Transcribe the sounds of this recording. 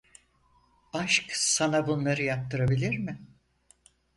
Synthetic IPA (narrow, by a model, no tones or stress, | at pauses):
aʃksanabunlˠaɾɯjap̚t̪ɯɾabilʲiɾmɪ